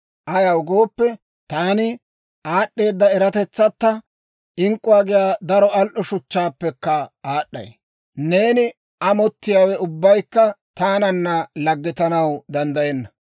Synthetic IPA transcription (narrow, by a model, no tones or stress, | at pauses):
ʔɐjɐʊɡo̞ːpːɛ | t̪aːnɪ | aːɗːe̞ːd̪ːɐɛɾɐt̪ɛt͡sːɐt̪ːɐ | ɪŋkʼːʊwaːɡɪjaːd̪ɐɾɔɐlʔɔʃʊt͡ʃːaːpːɛkːɐaːɗːɐ̰j | ne̞ːnɪ | ʔɐmɔt̪ːɪjaːwɛʊbːɐjkːɐt̪aːnɐnːɐlɐɡːɪt̪ɐnɐwd̪ɐnd̪ɐjɛnːɐ